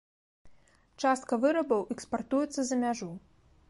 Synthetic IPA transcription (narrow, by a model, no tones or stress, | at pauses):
t͡ʂast̪̚kɐvɨɾɐbɐwʔɛkspart̪ujɛt̪sːɐzɐmʲaʐu